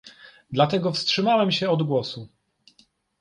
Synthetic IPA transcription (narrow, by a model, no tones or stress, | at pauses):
d̪lat̪ɛɡɔfstʂɘmawɛmɕɛɔd̪ɡwɔsu